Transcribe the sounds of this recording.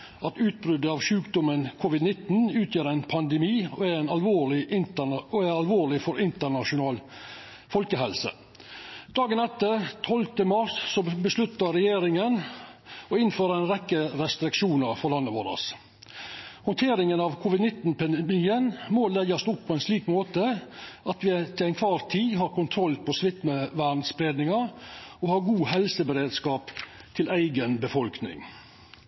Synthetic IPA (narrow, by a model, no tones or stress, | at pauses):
ɑt̪ʉːt̪̚bɾʏd̪əɑʋʂʉːkd̪ʊmənkʰʊʋɪd̪nɪt̪n̩ʉːt̪ʰjøːɾæɪnpʰɑnd̪ɛmiːɔæɾæɪnɑlʋoːɭɪʔɪnt̪əɔæɾɑlʋoːɭɪfɔɾɪnt̪əɳɑʂʊnɑːl | fɔlkəɦɛlsə̰ | d̪̥ɑːɡənɛt̪ːət̪ʰɔlt̪əmɑʂsɔbəslʉt̪ːɑɾɛjeːɾɪŋən | ɔɪnføːɾəɛɪnɾɛkːəɾɛst̪ɾɪkʂuːnɑɾfɔɾlɑnːəʋo̰ːɾɑ̰s | hɔnt̪ʰeːɾɪŋənɑʋkʰʊːʋɪd̪nɪt̪n̩pʰɛnd̪əmiːənmolɛɡɑst̪ʊpʰːɔɛɪnsliːkmoːt̪əʔɑt̪ʋɪt̪ʰɪlæɪnkʰʋɑːɾt̪ʰiːɦɑːɾkʊnt̪ʰɾɔlpʰɔsʋɪt̪məʋæɳsbɾeːd̪nɪŋɑɔhɑːɾɡuːhɛlsəbəɾeːd̪skɑːpt̪ʰɪlʔæɪɡənbəfɔlknɪ̰ŋ